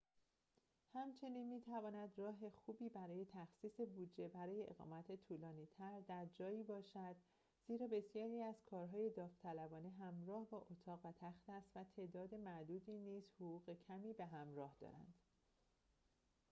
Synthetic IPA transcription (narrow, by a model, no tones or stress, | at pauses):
hæmt͡ʃʰe̞niːnmiːt̪ʰævɒːnæd̪rɒːɦe̞xuːbiːbæɾɒːje̞t̪ʰæxsiːse̞bud͡ʒe̞bæɾɒːje̞ʔḛɣɒ̰ːmæt̪ʰet̪ʰuːlɒːniːt̪ʰæɾd̪æɾd͡ʒɒːjiːbɒːʃæd̪ | z̥iːɾɒːbe̞sjɒːɾiːæz̥kʰɒːɾɦɒːje̞d̪ɒːft̪ʰælæbɒːneɦæmɾɒːhbɒːʔot̪ʰɒːɣvæt̪ʰæxt̪æst̪væt̪ʰe̞ʔd̪ɒːd̪e̞mæʔd̪uːd̪iːniːz̥hoʁuːɣe̞cʰæmiːbe̞ɦæmɾɒːhd̪̥ɒ̰ɾæ̰nd̪̥